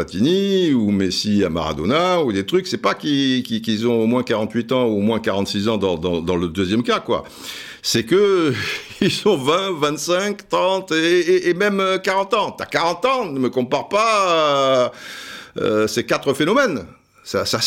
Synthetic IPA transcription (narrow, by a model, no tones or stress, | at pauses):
at̪iniumesiama̰ʁa̰d̪ɔ̰naud̪et̪χyksɛpakikikilzɔ̃omwɛ̃kaʁɑ̃t̪ɥit̪ɑ̃uomwɛ̃kaʁɑ̃t̪sizɑ̃d̪ɑ̃d̪ɑ̃d̪ɑ̃ləd̪øzjɛmkakwa̰ | sɛkə | ilzɔ̃vɛ̃vɛ̃t̪sɛ̃kt̪χɑ̃t̪eːmɛmøkaʁɑ̃t̪ɑ̃t̪yakaʁɑ̃t̪ɑ̃nəməkɔ̃paʁpa | ø̰sekat̪χəfenɔmɛn | sasa